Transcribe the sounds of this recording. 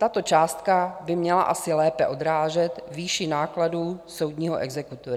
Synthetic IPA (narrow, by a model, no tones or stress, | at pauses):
t̪at̪o̞t͡ʃaːst̪kabɪmɲɛla̰ʔasɪlɛːpɛʔo̞d̪ɾaːʒɛt̪viːʃɪnaːkladuːso̞wd̪ɲiːɦoʔɛɡzɛkut̪oɾ